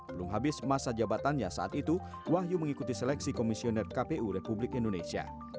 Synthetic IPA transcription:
bəlumɦabɪsmasad͡ʒabat̪anɲasa̰ʔat̪it̪u | waɦjuməŋikut̪isɛlɛksikomisionɛrkapeʔuɾepublɪkindonesia̰

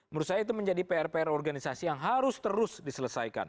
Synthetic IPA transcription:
məɾusaɦait̪uməɲd͡ʒadipeɛrpeɛrɔrɡanisasijaŋɦaɾʊst̪əɾʊsdisələsajka̰n

